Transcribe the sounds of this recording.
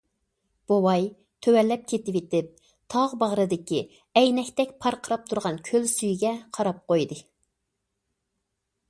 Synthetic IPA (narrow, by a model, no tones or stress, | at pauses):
b̥owɑj | t̪ʰøwɛlːɛp̚kʲʰet̪ɪwit̪ɪp̚ | t̪ʰɑʁbɑʁɾɨd̪ɪkʲi | ɛjnɛkʲt̪ɛkʲpʰɑɾqʰəɾɑp̚t̪ʰuɾʁɑnkʲʰølsyjɡʲɛqʰɑɾɑp̚qojd̪ɨ